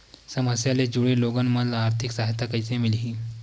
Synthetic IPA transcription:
səməsjaled͡ʑuɽeloɡanməd̪laːɾt̪ʰiksaɦit̪akəjt͡semiliɦiː

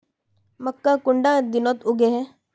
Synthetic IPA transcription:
məkːakʊɳɖãːd̪ɪnot̪ʊɡeɦɛː

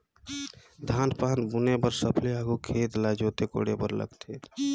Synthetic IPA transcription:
d̪ʱanpanbunepəɾsəpʰleaɡukʰet̪lad͡ʒot̪eko̰ɽebəɾlə̰ɡt̪ʰe

